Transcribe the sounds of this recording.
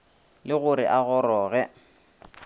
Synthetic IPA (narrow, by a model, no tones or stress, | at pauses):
lɪɣʊɾɪ̰ʔaɣɔɾɔːɣɛ